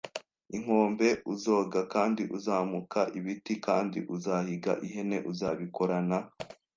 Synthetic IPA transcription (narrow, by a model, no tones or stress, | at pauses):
iŋ̥o̞ːmbe̞uzo̞ːɡakaːndiʔuzamukʰaʔiβitikaːndḭʔuzahiɡa̰ʔiɦe̞ne̞ʔuzaβiko̞ɾana